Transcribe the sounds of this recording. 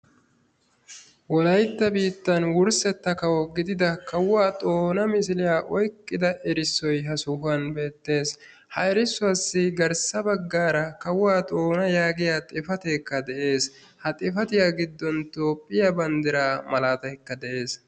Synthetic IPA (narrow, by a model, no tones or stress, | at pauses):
wɔlɐjt̪ːɐbiːt̪ːɐnwʊɾsɛt̪ːɐkɐwɔɡɪd̪ɪd̪ɐkɐwaːt̪ʼo̞ːnɐmɪsɪlɪjaːʔɔjkʼːɪd̪ɐʔɛɾɪsːɔjɦɐsʊhʊɐnbe̞ːt̪ːe̞ːs | hɐɛɾɪsːʊɐsːɪɡɐɾsɐbɐɡːaːɾɐkɐwaːt̪ʼo̞ːnɐjaːɡɪjaːt̪ʼɪfɐt̪ekːɐd̪ɛʔe̞ːs | hɐt̪ʼɪfɐt̪ɪjaːɡɪd̪ːɔnt̪o̞ːpʼːɪjabɐnd̪ɪɾaːmɐlaːt̪ɐjkːɐd̪ɛʔe̞ːs